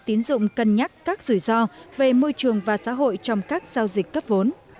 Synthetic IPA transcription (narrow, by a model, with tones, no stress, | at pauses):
t̪i˨˦ənzʊ̰˧˨ŋ͡mkə˨˩nɲa˦˥t̚kaː˦˥k̚z̥u˧˩jzɔ˧ve˨˩mo˧jt͡ɕɨ˨˩əŋvaː˨˩sa̰ː˧˥ɦo̰˧˨jt͡ɕɔ˧wŋ͡mkaː˦˥k̚z̥aː˧wzï˨˩k̟kə˦˥p̚vo˨˦n